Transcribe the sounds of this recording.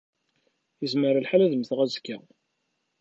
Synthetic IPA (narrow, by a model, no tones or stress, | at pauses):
jəzməɾælħalæðəmθʁæzkːæ